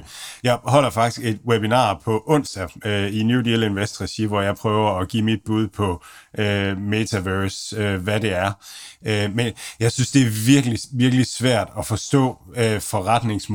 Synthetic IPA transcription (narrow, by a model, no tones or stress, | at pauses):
jɑ̈ɪhɒ̽l̰ɐfɑ̈ɡ̥d̥isɡ̥e̝d̥webinɑ̰̈ːpʰɒ̽ʔɔ̽n̰sd̥æøinjudile̝nʋesd̥ʁɛɕiʋɒjɑ̈ɪpʰʁœːʊɐɒɡ̥ḭːmid̥̚b̥uð̞̰ˠpʰɒ̽ømet͡sʰæʋøɐsøʋæɾe̝æɐømenjɑ̈ɪsynsd̥e̝æɐʋiɐɡ̥əliʋiɐɡ̥əlisʋæɐ̰d̥ɒfɒ̽sd̥ɔ̰̽ːøfɒ̽ʁad̥ne̝ŋsm